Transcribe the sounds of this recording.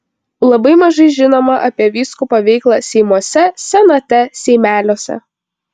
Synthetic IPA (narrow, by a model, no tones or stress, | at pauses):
lˠɐbɐɪmɐʒɐɪʒʲɪnoːmɐʔɐpʲiɛʋʲiːskupɐʋʲɛɪklˠɑsʲɛɪmuɔsʲɛsʲɛnɐt̪ʲɛsʲɛɪmʲæːlʲoːsʲɛ̰